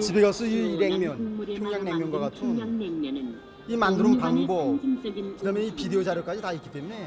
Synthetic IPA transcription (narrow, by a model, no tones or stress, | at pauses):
t͡ɕibeɡasʰɯiiɾe̞ŋmjʌnpʰjoŋɦjaŋneŋmjʌnɡwaɡatʰɯn | imandɯɾɯnpaŋbʌ | kɯdamjʌnipideod͡ʑaɾjok͈ad͡ʑitaik͈i̥t͈e̞mune̞